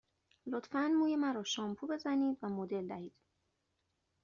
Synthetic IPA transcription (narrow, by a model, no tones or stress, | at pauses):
lo̞t̪fænmuːjemæɾɒːʃɒːmpʰube̞zæniːd̪væmod̪e̞ld̪æhiːd̪̥